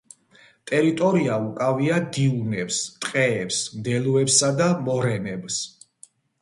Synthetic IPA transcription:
t̪ʼɛɾit̪ʼɔɾiaukʼaviad̪iunɛpst̪ʼqʼɛːpsmd̪ɛluɛpsad̪amɔɾɛmɛbs

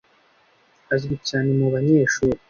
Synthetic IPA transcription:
azɡicaːne̞muβaɲe̞ːʃuːɾi

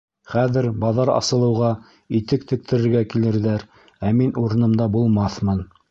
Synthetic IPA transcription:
χæðɘ̆ɾbɑðɑɾɑ̰sɤ̆lˠɤ̆wʁɑ | it̪ɘkt̪ʰɘ̆k̚t̪ʰɘ̆ɾɘ̆ɾɡækilɘ̆ɾðæɾ | æminuɾɤ̆nɤ̆md̪ɑbulˠmɑθmɤn

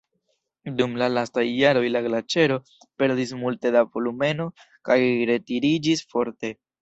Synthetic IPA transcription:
dumlalastajːaɾo̞jlaɡlat͡ʃe̞ɾo̞ | pe̞ɾdis̬multe̞davo̞lume̞no̞ | kajɾe̞tiɾid͡ʒisfo̞ɾte̞

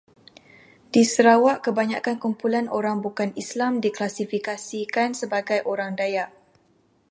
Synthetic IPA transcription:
disəɾawaʔkəbaɲa̰kankumpulanʔoɾaŋbukanislamdiklasifikasikansəbaɡajʔoɾaŋdajaʔ

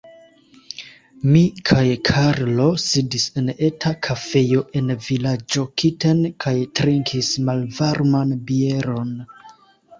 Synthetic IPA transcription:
mikʰajkʰaɾlo̞sidise̞ne̞tʰakʰafe̞jo̞ʔe̞nvilad͡ʒo̞kʰite̞nkʰajtɾiŋkʰismalvaɾmanbie̞ɾo̞n

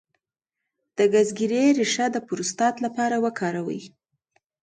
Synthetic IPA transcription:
d̪̥əɡazɡiɾeɾiʂad̪əpʊɾust̪ɑt̪lapɑɾawəkʰɑɾawə̰j

